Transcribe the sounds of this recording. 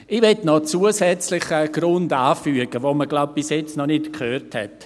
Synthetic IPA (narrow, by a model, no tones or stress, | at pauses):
ɪʋɛtnɔt͡suəsɛt͡slɪχəɡ̥rʊndaːfyəɡ̥əʋoməɡlaʊb̚b̥ɪsjɛt͡snɔnɪtkχøːrthɛ̰t